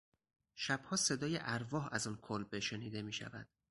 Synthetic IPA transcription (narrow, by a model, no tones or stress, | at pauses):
ʃæb̥hɒːse̞d̪ɒːjeʔæɾvɒːɦæzɒːnkʰolbeʃe̞niːd̪e̞miːʃæ̰væd̪̥